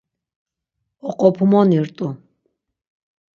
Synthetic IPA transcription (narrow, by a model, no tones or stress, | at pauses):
ɔqʼɔpʰumɔniɾt̪ʼu